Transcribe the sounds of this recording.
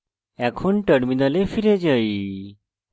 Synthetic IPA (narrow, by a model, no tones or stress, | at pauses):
ɛkʰoɳʈəɽminalefiɾed͡ʑəi